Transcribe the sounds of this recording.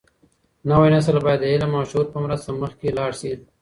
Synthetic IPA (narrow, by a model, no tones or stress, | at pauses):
nawajnas̬əlbɑjad̪ːəɪlamɑːʃhuɾpəmɾast̪aməxkelɑːɽʃi